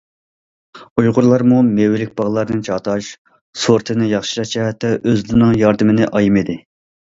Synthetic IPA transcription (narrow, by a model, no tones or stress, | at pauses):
ujʁʊɾlˠɑɾmumewɪlɪk̚ʲbɑʁlˠɑɾnɨnt͡ʃʰɑt̪ʰɑʃ | soɾt̪ʰɨnɪjɑχʃi̥ʃɑd͡ʒɛɦɛt̪ʰːɛʔøzlɪnɪŋjɑɾd̪ɨmɪnɪʔɑjimid̪ɪ